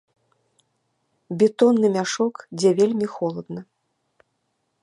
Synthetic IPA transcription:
bʲɛt̪ɔnːɨmʲaʂɔkd͡zʲɛvʲelʲmʲixɔlˠɐd̪nɐ

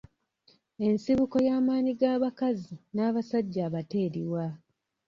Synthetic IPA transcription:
e̞nsiβuko̞jaːmaːniɡaːβakazinaːβasaɟːaːβate̞ːɾiwa

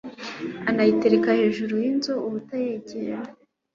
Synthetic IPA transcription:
anajite̞ɾekahe̞ːʒuɾujinzouβutajeːɟeɾa

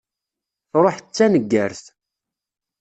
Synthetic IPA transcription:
θɾˤoħət͡sːænəɡːæɾθ

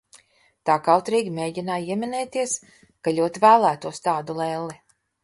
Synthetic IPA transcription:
t̪aːkawt̪ɾiːɡʲimeːɟinaːiɛmʲinɛːt̪iɛs | kalʲuɔt̪ivæːlˠæːt̪uɔst̪aːd̪ulˠɛlˠi

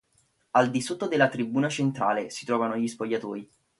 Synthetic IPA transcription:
ald̪isot̪ːod̪elːat̪ɾibuːnat͡ʃent̪ɾa̰ːlesi̥t̪ɾɔːvanoʎispoʎːat̪oːɾi

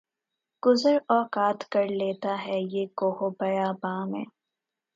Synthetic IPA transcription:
ɡ̥ʊzəɾɔːkaːt̪kɐɾleːt̪aɦɛjeːkoːɦobɐjabaːmɛ̰̃ː

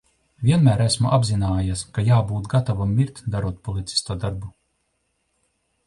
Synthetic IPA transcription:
vʲiɛnmæːɾæsmuʔabzinaːjaskajaːbuːt̪ɡat̪avamːiɾt̪ʲd̪aɾuɔt̪̚pɔlˠit̪si̥st̪uɔd̪aɾbu

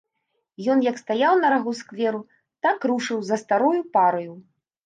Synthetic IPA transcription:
jɔnjɐkst̪ajawnɐɾɐɣuskvʲɛɾu | t̪akɾuʂɨwzɐst̪aɾujupaɾɐju

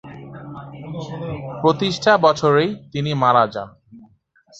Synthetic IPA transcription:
pɾot̪iʃʈʰabɔt͡ɕʰoɾejt̪inimaɾad͡ʑa̰n

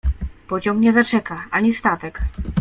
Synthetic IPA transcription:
pɔd͡ʑɔmɲɛzat͡ʂɛkaʔaɲist̪at̪ɛk

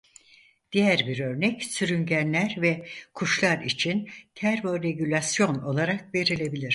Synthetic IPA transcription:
d̪̥ijæɾbiɾø̞ɾnɛcsyɾyɲɟænlʲæɾvɛkʰuʃlˠaɾit͡ʃʰint̪ʰæɾvo̞ɾe̞ɟylʲasjo̞no̞lˠaɾak̚ve̞ɾilʲe̞bilʲiɾ̥

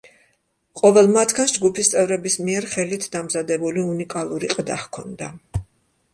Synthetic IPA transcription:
qʼɔvɛlˠmat̪ʰɡansd͡ʒɡupʰist̪sʼɛvɾɛbismiɛɾχɛlit̪ʰd̪amzad̪ɛbuliunikʼalˠuɾiqʼd̪a̰χkʰɔnd̪a

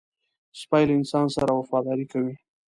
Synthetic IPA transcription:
spɑjlaɪnsɑnsaɾawafɑd̪ɑɾikawi

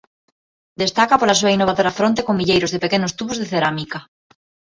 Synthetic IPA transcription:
d̪est̪akapolasuainoβaðoɾafɾont̪ekombiʎejɾozðepekenost̪uβozðeθeɾamika

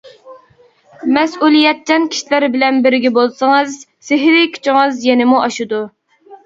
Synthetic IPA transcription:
mɛsulˠijɛt̪̚t͡ʃɛnkʲʰi̥ʃilæɾbɪlɛnbɪɾɡʲɛbolˠsɨŋɨzsɪɦɾɪkʲʰy̥t͡ʃʰɪŋɨzjɛnɪmuʔɑʃud̪u

